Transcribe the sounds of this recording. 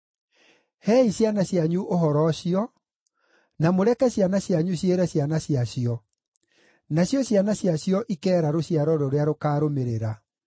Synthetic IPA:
hɛːisjanaɕjaɲuʔoɦɔɾɔɕiɔ | namoɾɛkɛsjanaɕjaɲuɕjeɾɛɕjanaɕjaɕiɔ | naɕjɔɕjanaɕjaɕjɔʔikɛːɾaɾoɕiaɾɔɾoɾeaɾokaːɾomeɾeɾa

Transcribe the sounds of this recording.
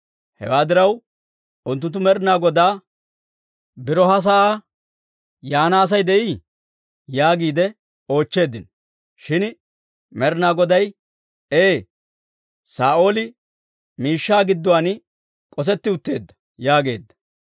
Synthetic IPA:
hɛ̰waːd̪ɪɾɐw | ʊnt̪ːʊnt̪ːʊmɛɾnaːɡɔd̪aː | bɪɾɔɦɐs̬aa | jaːnaːs̬ɐjd̪ɛʔi | jaːɡiːd̪ɛ | o̞ːt͡ʃːe̞ːd̪ːɪn | ʃɪn | mɛɾnaːɡɔd̪ɐj | eː | saːʔo̞ːlɪ | miːʃːaːɡɪd̪ːɔwaːn | kʼɔs̬ɛt̪ːɪʊt̪ːe̞ːd̪ːɐ̥ | jaːɡe̞ːd̪ːɐ̥

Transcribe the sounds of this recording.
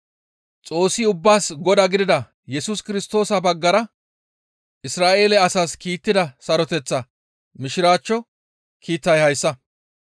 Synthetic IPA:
t͡sʼo̞ːsːɪʊbːaːsɡɔd̪ɐɡɪd̪ɪd̪ɐ | jɛsuskɪɾɪst̪o̞ːsɐbɐɡːɐɾɐ | ʔɪsɾaːʔe̞ːlɛɐsaːskiːt̪ːɪd̪ɐsɐɾɔt̪ɛt͡sːɐ | mɪʃɪɾaːt͡ʃːɔ | kʰiːt̪ːɐjhɐjsːɐ

